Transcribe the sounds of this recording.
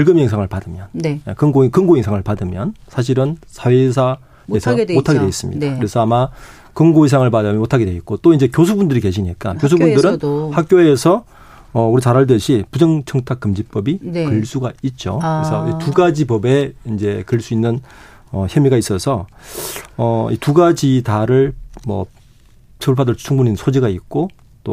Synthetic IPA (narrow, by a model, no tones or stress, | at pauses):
ɯɭɡɯmeŋsʰaŋɯɭpadɯmjʌnjekɯŋɡkɯŋɡoeŋsʰaŋɯɭpadɯmjʌnsʰaɕ̬ʰiɾɯnsʰawesʰa | esʰʌmotʰaɡedweis͈ɯmɲḭdakɯɾe̞sʰʌama | kɯŋɡois̬ʰaŋɯɭpadammotʰaɡedweit̚k͈ot͈oind͡ʑe̞kjos̬ʰubundɯɾike̞ɕ̬ʰiɲik͈a̰kjos̬ʰubundɯɾɯnhak͈̚joeeːsʰʌ | ʌuɾit͡ɕaɾaɭdɯɕʰipud͡ʑʌŋt͡ɕʰʌŋtʰak͈ːɯmd͡ʑip͈ʌbikɯɭs͈uɡait̚t͡ɕ͈o̰kkɯɾesʰʌituɡad͡ʑipʌbe̞ind͡ʑe̞kɯɭs͈uinːɯn | ʌçjʌmiɡais͈ʌsʰʌ | ʌḭtuɡad͡ʑitaɾɯɭmʌ̰ | t͡ɕʰɯuɭpʰadɯɭt͡ɕʰuŋbuɲinɯnsʰod͡ʑiɡait̚k͈o | t͈o